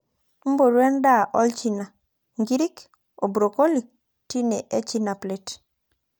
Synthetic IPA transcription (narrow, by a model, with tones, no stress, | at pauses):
m̩˦bo˨ɾwɛ˦nda˦˨ʔɔ˦lt͡ʃi˨na˨ | ŋɡi˦ɾi˦k | o˨bɾo˨ko˦li˨k̚ | ti˦ne˨ʔe˦t͡ʃi˦na˨ple˨t